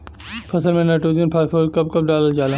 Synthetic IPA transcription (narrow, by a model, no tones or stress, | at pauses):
pʰɐsəlmẽnɐʈuːzinpʰaɾpʰoːlkɐp̚kɐp̚ɖaːləld͡ʒaːlaː